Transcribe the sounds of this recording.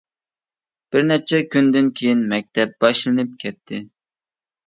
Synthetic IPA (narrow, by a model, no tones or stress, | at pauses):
b̥ɪɾnɛt͡ʃʰɛkʲʰynd̪ɪnkʲʰejinmɛk̚ʲt̪ʰɛp̚b̥ɑʃlˠɨnɨp̚kʲʰɛt̪ʰːɪ